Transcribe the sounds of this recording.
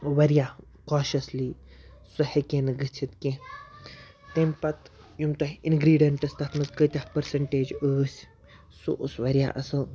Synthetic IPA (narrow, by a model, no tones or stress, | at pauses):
ʋɐɾʲjaː | kaːʃɐsliː | sɐhekẽːnɨɡɨt͡ʃʰit̪kẽ | t̪empɐt̪ | jumt̪ɐɦinɡɾiːɖiɐɳʈɐsʲt̪ɐt̪ʰmɐzkət̪ʲahpɐɾsɐɳʈeːd͡ʒəːsʲ | sṵʔusʋɐɾja̰ːʔɐsɐ